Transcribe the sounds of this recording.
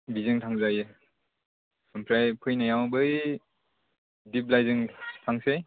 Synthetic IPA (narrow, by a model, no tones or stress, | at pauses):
bizɯŋtʰaŋzajɯ | sɯmpʰɾajpʰɯjnajawbɯj | dip̚lajzɯŋtʰaŋse